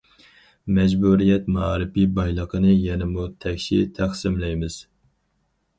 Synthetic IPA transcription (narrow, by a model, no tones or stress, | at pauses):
mɛd͡ʒbuɾijɛt̪mɑːɾɨpibɑjlˠəqʰənɨjɛnɪmut̪ʰɛkʲʃḭt̪ʰæχsɪmlɛjmɨz̥